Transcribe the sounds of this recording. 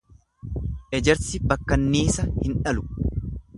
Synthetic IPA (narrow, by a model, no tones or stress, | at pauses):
ʔɛd͡ʒɛɾsɪbɐkːɐnːiːsɐhɪnᶑɐlʊ̥